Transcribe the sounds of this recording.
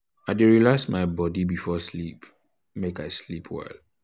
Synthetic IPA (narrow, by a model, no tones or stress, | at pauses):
aɪdeɹilasmaɪbɔdibifɔslip | mekaɪslipʰwɛ̰l